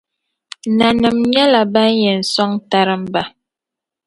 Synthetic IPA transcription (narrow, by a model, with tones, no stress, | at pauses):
na˨nɨ˨mɲɛ˦la˨ba˦jɛ˨n̩˨sɔ˦ŋta˦ɾɨ˦m̩˦ba˦